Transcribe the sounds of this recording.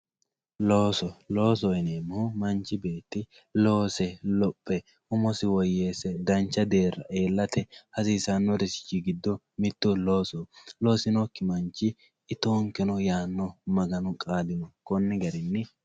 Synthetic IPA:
loːsɔlo̞ːs̬ɔjneːmːumɐnt͡ʃːɪbe̞ːt̪ːɪ | lo̞ːsɛlɔpʼːɛ | ʊmɔsɪwɔjːe̞ːsɛd̪ɐnt͡ʃːɐd̪e̞ːɾːɐʔeːlːɐt̪ʰɛhɐsiːsɐnːɔɾɛsɪ̥t͡ʃːiɡɪd̪ːɔ | mɪt̪ːʊlo̞ːsɔlo̞ːsɪnɔkːɪmɐnt͡ʃːɪː | t̪oːŋkɪnɔjaːnːɔmɐɡɐnʊkʼaːd̪ɪnɔkɔnːɪɡɐɾɪnːɪ

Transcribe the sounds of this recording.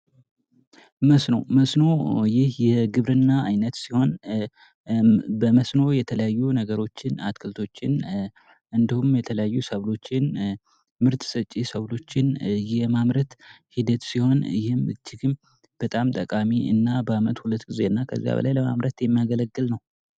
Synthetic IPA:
məsnowməsno̞jɪhjɛɡɨβɾɨnːaːjnət̪siho̞n | bəməsno̞jɛt̪ʰələjajːunəɡəɾo̞t͡ʃːɪna̰t̪kʰɨlt̪ʰo̞t͡ʃːɪn | ʔɨnd̪ihumjɛt̪ʰələjajːusəβlo̞t͡ʃːɪn | mɨɾt̪sət͡ʃʼːisəβlo̞t͡ʃːɪnjɛmamɾət̪ | hid̪ət̪siho̞njɪhɪmɨd͡ʒːɪɡɨm | b̥ət̪ʼamt̪ʼəkʼamiɨ̰nːabəamət̪hulət̪ːɡize̞ɨnːakʰə̰zːija̰βə̰lʔa̰jləma̰mɾət̪jɛmːijaɡələɡːɨlnəw

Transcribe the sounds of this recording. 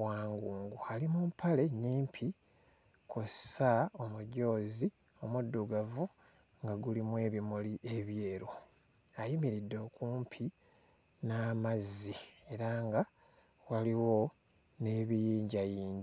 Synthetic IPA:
waːŋɡuːŋɡualimumpʰale̞niːmpʰi | kʰosao̞muɟo̞ːzi | o̞mudːuɡavu | ŋɡaɡulimwe̞ːβimuliʔe̞βje̞ːɾo | ajimiɾidːo̞ːkuːmpʰi | naːmazie̞ɾaŋɡa | waliwo̞ | ne̞ːβijiːɲɟajiːɲɟi

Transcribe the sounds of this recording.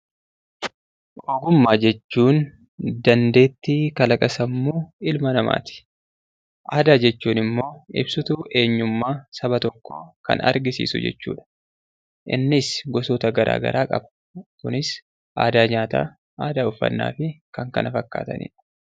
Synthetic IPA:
ʔoːɡʊmːaːd͡ʒɛt͡ʃːuːn | d̪ɐnd̪e̞ːt̪ːiːkɐlɐkʼɐsɐmːuːɪlmɐnɐma̰ːt̪ɪ̥ | ʔaːd̪aːd͡ʒɛt͡ʃːuːnɪmːo̞ːɪ̰bsʊt̪ʊʔe̞ːɲːʊmːaːsɐbɐt̪ɔkːo̞̰ːkɐ̰nɐ̰ɾɡɪsḭːsʊ̰d͡ʒɛ̰t͡ʃːṵːᶑɐ̥ | ʔɪ̰nːɪsɡɔsoːt̪ɐɡɐɾʔa̰ːɡɐ̰ɾʔaːkʼɐ̰bɐ̥ | kʊnɪs | ʔaːd̪aːɲaːt̪a̰ː | ʔaːd̪aːʊfːɐ̰nːa̰ːfɪkɐŋkɐ̰nɐfɐkːa̰ːt̪ɐ̰nḭːᶑɐ̥

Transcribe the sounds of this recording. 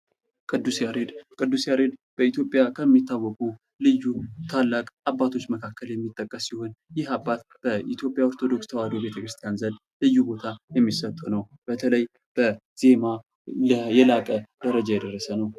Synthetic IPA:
kʼɨd̪ːusiaɾed̪kʼɨd̪ːusiaɾe̞d̪b̥əit̪jo̞pʼjakʰəmːit̪ʰːawːɔkʼu | lɨjːut̪ʰalːakʼabːat̪ʰo̞t͡ʃːməkʰakʰːəljɛmːit̪ʼːəkʼːəsːiho̞njɪhabːat̪̚b̥əʔit̪ʰjo̞pʼːjaoɾt̪ʰo̞d̪o̞kst̪ʰəwad̪obe̞t̪ʰəkɾɨst̪ʰijanzənd̪ | lɨjːubo̞t̪ʰajɛmːisət̪ʼunəw | b̥ət̪ʰələj | b̥ə | z̥e̞ma | ləjɛlakʼəd̪̥əɾəd͡ʒajɛd̪ərːəsənəw

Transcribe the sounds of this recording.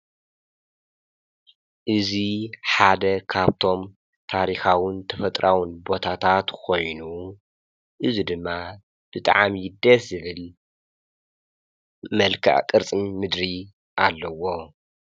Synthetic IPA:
ʔɨziħad̪ɐkʰaβt̪ʰo̞m | t̪ʰaɾixawɨnt̪ʰɐfɐt̪ʼɾʔawɨnbo̞t̪ʰat̪ʰat̪kʰo̞jnu | ʔɨzid̪ɨmːa | b̥ɨt̪ʼa̰ʕamjɪd̪ɐszɨβɨl | mɐlkʰa̰ʕkʼɨɾt͡sʼɨnmɨd̪ɾi | ʔalːɐwo̞

